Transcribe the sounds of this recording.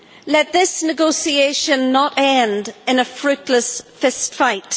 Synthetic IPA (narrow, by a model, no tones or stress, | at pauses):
lɛt̪̚ðɪsnɨɡoʊsieɪʃə̃nːətɛ̃ndɨ̃nəfɹʉtˡləsfɪstfaɪt